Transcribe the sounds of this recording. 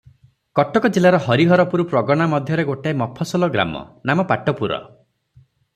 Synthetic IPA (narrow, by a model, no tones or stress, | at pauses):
kɔʈɔkɔd͡ʒelaɾɔhɔɾiɦɔɾɔpuɾupɾɔɡɔɽ̃amɔd̪ʱjɔɾeɡoʈaemɔpʰːɔsɔlɔɡɾa̰mɔ̰namɔpaʈɔpuɾɔ̰